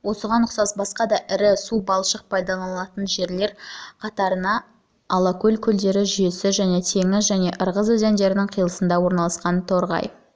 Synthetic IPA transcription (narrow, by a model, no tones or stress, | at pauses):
wo̞səʁɑnːʊqsɑsbɑsqɑd̪ɑʔɪɾɪsubɑlˠʃəq̚pʰɑjd̪ɑlˠɑɑt̪ənʒe̞ɾle̞ɾqʰɑt̪ɑɾənɑ | ɑlˠɑkʲɵlʲkʲʰʏld̪e̞ɾɪʒʏje̞sɪʒæne̞t̪ʰe̞ŋɪzʒæne̞ʔəɾʁəzɵzend̪e̞ɾɪnɪŋqʰijlˠəsənd̪ɑwo̞ɾnɑlˠɑsqɑnt̪ʰo̞ɾʁɑ̰j